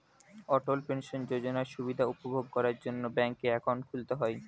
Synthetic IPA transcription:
ɔʈolpenʃond͡ʑod͡ʑonaɾʃubid̪ʱaupobʱoɡ̚kɔɾaɾd͡ʑonːobɛŋkːeɛkʰonkʰult̪eɦɔe

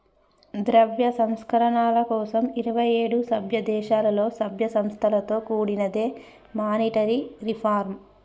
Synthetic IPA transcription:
d̪ɾɐʋjɐsɐmskɐɾɐɳaːlɐkɔːsɐmiɾɐʋɐjeːɽusɐbʱjɐd̪ɛːʃaːlɐlo̞ːsɐbʱjɐsɐmst̪ʰɐlɐt̪o̞ːkuːɽinɐd̪e̞ː | maːniʈɐɾiɾipʰaːɾm

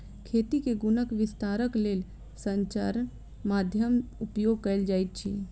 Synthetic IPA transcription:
kʰet̪ikeɡunəkʋɪst̪aɾəklel | səɲt͡ʃaɾ | mad̪ʱjəmupjoɡ̚kəld͡ʒajt̪̚t͡ʃʰḭ

